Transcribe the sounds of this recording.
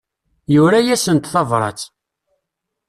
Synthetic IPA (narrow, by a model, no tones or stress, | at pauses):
jʊɾæjæsənt̪θɑvɾˤɑ̰t͡sː